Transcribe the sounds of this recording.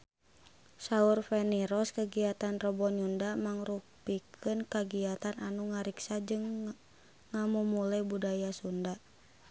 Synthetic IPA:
saurfɛniɾɔskaɡiat̪anrɔbɔɲundamaŋrupikʰɨnkaɡiat̪anʔanuŋaɾiksad͡ʒɨŋː | amumulabudajasunda

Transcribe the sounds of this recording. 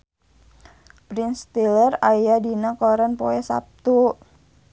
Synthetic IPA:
b̥ɾinst̪ilərajadinakɔɾanpoɛsa̰p̚t̪u

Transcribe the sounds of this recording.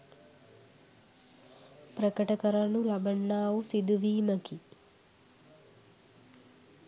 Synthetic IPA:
pɾɐkɐʈɐkɐɾɐnulɐbʱɐɳːaːʋusid̪uʋiːmɐki

